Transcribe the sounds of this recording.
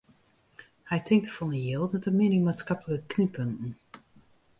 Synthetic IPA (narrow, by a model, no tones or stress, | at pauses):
hɛjtʰɪŋk̚təfɔnəjelˠtmɛtəmɪnimaːtskɑpləkəknipʰənn̩